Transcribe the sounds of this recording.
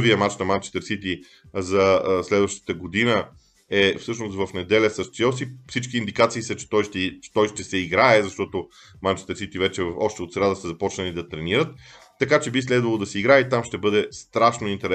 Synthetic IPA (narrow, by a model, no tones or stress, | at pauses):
vijəmat͡ʃnɐmant͡ʃɛ̥st̪əɾsit̪i | zɐslɛd̪vəʃt̪ə̥t̪əɡod̪inə | ɛfsɤʃnost̪vɐfnɛd̪ɛlʲəsɐst̪sɛlsifsit͡ʃkiːnd̪ikat̪siːsət͡ʃɛ̥t̪ɔjʃt̪ɛt͡ʃɛ̥t̪ɔjʃt̪ɛsɛiɡɾaɛzɐʃt̪ɔt̪o | mant͡ʃɛ̥st̪əɾsit̪ivɛt͡ʃɛvfɔʃt̪ɛot̪sɾad̪əsəzɐpɔt͡ʃnəlid̪ɐt̪ɾɛniɾət̪ː | ɐkat͡ʃɛbis̬lɛd̪vɐlˠod̪ɐsɛiɡɾaɛit̪amʃt̪ɛbɤd̪ɛst̪ɾaʃnoint̪ɛɾ